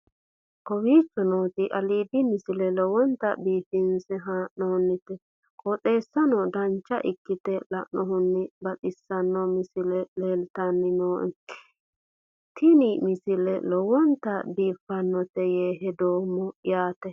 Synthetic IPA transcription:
kɔwiːt͡ʃːɔnoːt̪ɪʔɐliːbɪmɪsɪlɛlɔwɔnt̪ɐbiːfɪnsɛɦaːʔnoːnːɪt̪ɛ | kʼɔt̪ʼe̞ːsːɐnɔd̪ɐnt͡ʃːɐ̰ʔɪkːɪt̪ɛlɐ̰ʔnɔhʊnːɪbɐt̪ʼɪsːɐnːɔmɪsɪlɛle̞ːlt̪ɐnːɪno̥ː | t̪ʰɪnimɪsɪlɛ̰lɔwɔnt̪ɐbiːfːɐnːɔt̪ɛjeːɦɛd̪oːmːɔjaːt̪ɛ

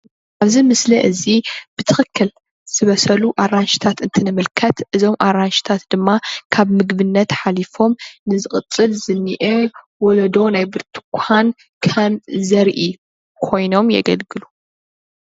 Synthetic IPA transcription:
ʔaβzimɨslɐʔɨzib̥ɨt̪ʰɨxɨkʰːɨl | z̥ɨβɐsɐluʔaɾanʃi̥t̪ʰat̪ɨnt̪ʰɨnɨmɨlkʰɐt̪ʔɨzo̞mʔaɾanʃi̥t̪ʰat̪d̪̥ɨmːakʰaβmɨɡβɨnːɐt̪ħalifo̞mnɨzɨxʼɨt͡sʼːɨlzɨnːiʔe | wɔlɐd̪o̞najbɨɾt̪ʰɨ̥kʷʰan | kʰɐnzɐɾʔi | kʰo̞jno̞mjɛ̰ɡɐlɡɨlu

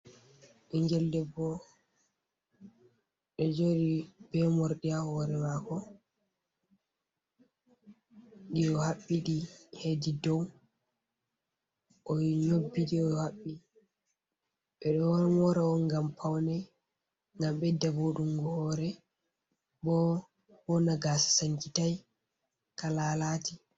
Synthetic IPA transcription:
iɲd͡ʒɛldɛbɔ | ɗɔd͡ʒoɗib̥ɛmɔɾɗiahɔɾɛmakɔ | ɗiɗɔhaɓːiɗihedidɔw | ʔɔɲobːiɗiɔjhaɓːi | ɓɛɗɔwnmɔɾaɔnɡampʰawnɛ | ŋɡamɓɛdaboɗumɡɔhɔɾɛ | bɔ | wɔnaɡaːsḁsaŋkitaj | kalaːlati

